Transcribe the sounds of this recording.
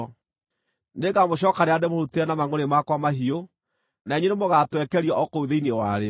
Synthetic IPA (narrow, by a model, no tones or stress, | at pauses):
neɣamoɕ̬ɔːkaɾeademoɾuteɛnamaŋoɾemakwamaɦio | naeɲenemoɣatwɛkɛɾiɔʔɔkouðeinewaɾe